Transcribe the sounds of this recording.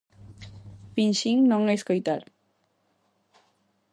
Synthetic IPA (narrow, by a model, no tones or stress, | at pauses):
pinʃiŋnɔŋejskojt̪aɾ